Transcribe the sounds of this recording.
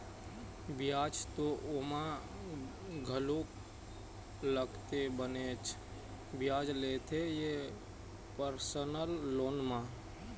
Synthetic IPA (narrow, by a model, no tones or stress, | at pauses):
bjaːd͡ʒt̪oʔomã | ɡʱəlok | ləɡt̪ebənet͡ʃʰ | bjaːd͡ʒleːt̪ʰeje | pəɾsənəlːoːnmã